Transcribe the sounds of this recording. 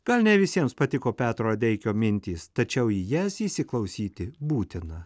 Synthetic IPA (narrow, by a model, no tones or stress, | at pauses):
ɡ̥ɐlʲˠnʲɛʋʲɪsʲiɛmspɐt̪ʲɪkoːpʲæːt̪ɾoːɐd̪ʲɛɪkʲoːmʲɪnʲt̪ʲiːst̪ɐt͡ʃʲɛʊjijæsisʲɪklˠɐʊsʲiːt̪ʲɪbuːt̪ʲɪnɐ